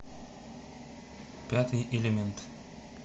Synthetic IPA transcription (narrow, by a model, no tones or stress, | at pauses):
pʲæt̪ɨjʔelʲemʲɛnt̪